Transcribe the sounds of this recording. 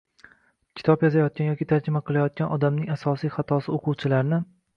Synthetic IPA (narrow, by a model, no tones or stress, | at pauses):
kʲʰɪ̥t̪ʰɒpjɒzajɒt̪̚kʲanjɒkʲɪt̪ʰaɾd͡ʒɪmaqʰɨlˠajɒt̪̚kʲanɒd̪amnɪŋasɒsijχɑt̪ʰɒsɪoqʰʊwt͡ʃʰɪlaɾnɪ